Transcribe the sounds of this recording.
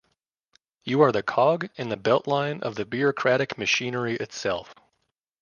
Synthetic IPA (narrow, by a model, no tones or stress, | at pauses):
jɨə˞ðɨkʰɑɡɨ̃nðɨbɛlˠʔˡlãɪ̃nʔʌ̰vðɨbiɹɨkʰɹ̥æɾɨkmɨʃĩnə˞iʔɨtsɛ̰lˠf